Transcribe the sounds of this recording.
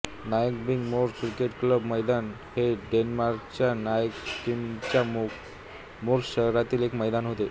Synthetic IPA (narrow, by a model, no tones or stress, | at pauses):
najəkbiŋɡmoɾkɾikeʈkləbməjd̪an | heɖenmaɾkt͡ɕanajəkʈimt͡ɕa | moɾɕəɾat̪iːlekməjd̪anɦot̪e